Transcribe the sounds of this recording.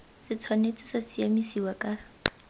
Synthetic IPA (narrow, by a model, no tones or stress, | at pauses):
sɪt͡sʰwanet͡sʼɪsasiamisiwakʼa